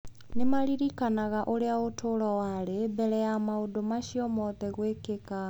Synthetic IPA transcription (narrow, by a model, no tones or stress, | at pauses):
nemaɾiɾikanaɣaʔoɾeaotʰoɾɔwaɾebɛɾɛjamaodomaʃiɔmɔðɛɣwekeka